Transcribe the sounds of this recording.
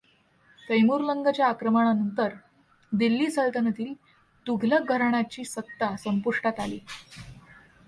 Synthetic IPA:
t̪əjmuɾləŋɡət͡ɕjaːkɾəmaɳ̃anənt̪əɾ | d̪ilːiːt͡səɭt̪ənət̪iː | t̪uɡʱlək̚ɡʱəɾɳ̃at͡ɕiːsət̪ːasəmpuʂʈat̪alḭː

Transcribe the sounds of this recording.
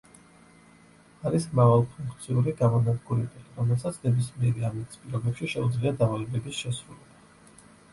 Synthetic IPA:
aɾismɾavalˠpʰuŋkʰʼt̪sʰiuɾiɡamɔnad̪ɡuɾɛbiiɾɔmɛlˠsat̪sʰnɛbismiɛɾiamɛt̪ʰi̥spʼiɾɔbɛpʃiʃɛud̪zliad̪avalɛbɛbisʃɛsɾulɛba

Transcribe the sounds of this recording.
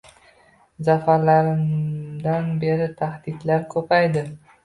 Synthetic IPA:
zafaɾlaɾɪmd̪anbe̞ɾɪt̪ʰahd̪ɪd̪laɾkʰɵpʰajd̪ɪ

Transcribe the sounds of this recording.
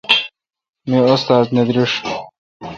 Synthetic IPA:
miost̪aːzned̪ɾiʂ

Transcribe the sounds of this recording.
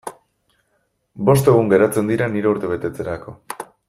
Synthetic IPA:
bo̞st̪e̞ɣ̞uŋɡe̞ɾat͡se̞nd̪iɾaniɾe̞uɾt̪e̞β̞e̞t̪e̞t͡se̞ɾako̞

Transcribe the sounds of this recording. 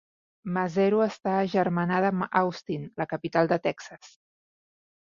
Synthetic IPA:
məzɛɾuəst̪aːʒəɾmənaðəmawst̪inləkəpit̪alˠd̪ət̪ɛksəs

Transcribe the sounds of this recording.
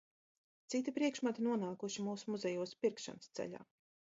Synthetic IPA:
t̪sit̪ipɾiɛkʃmat̪inuɔnaːkuʃimuːsumuzɛjuɔspʲiɾkʃa̰nɨst̪sɛ̰ʎʲa̰ː

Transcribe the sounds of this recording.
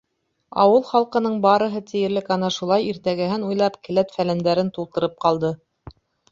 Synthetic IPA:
ɑ̰wɤlˠχɑlˠqɤ̆nɤɴbɑɾɤ̆ɦɤt̪ɘ̆jɘ̆ɾlɘkɑnɑʃulˠɑjiɾt̪æɡæɦɘnujlˠɑpkɘ̆læt̪fælænd̪æɾɘnt̪ulˠt̪ɤ̆ɾɤp̚qɑlˠd̪ɤ

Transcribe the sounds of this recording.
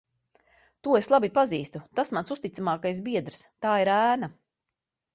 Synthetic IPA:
t̪uɔeslˠabipaziːst̪ut̪asmansust̪it̪samaːkajs̬biɛd̪ɾst̪aːiɾæːna

